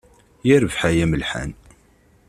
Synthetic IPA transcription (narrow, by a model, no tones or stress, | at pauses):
jæɾəvħajæməlħa̰n